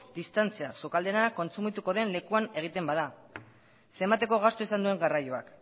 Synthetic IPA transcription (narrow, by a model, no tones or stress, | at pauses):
d̪ist̪ant͡sia̰sokald̪e̞nako̞nsumit̪uko̞ðe̞nle̞kuane̞ɣ̞it̪e̞mbað̞a | se̞mbat̪e̞ko̞ɣ̞ast̪oisand̪ue̞ŋɡarajoa̰k